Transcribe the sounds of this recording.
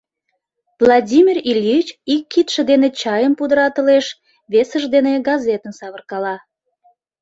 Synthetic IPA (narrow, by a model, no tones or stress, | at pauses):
vlˠɑdʲimʲirilʲit͡ɕikːit̪ʃə̆d̪enet͡ɕɑjəmpud̪əɾɑt̪əleʃ | βesəʒd̪eneɡɑzet̪ənsɑβərkɑlɑ